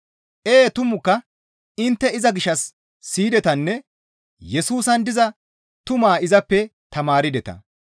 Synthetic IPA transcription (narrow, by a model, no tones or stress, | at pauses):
ʔeːt̪ʊmʊkːɐ | ɪnt̪ːɛɪzɐɡɪʃːɐsː | iːd̪ɛt̪ɐnːɛ | jɛsuːsɐnd̪ɪzɐ | t̪ʊmaːɪzɐpːɛt̪ɐmaːɾɪd̪ɛt̪ɐ̰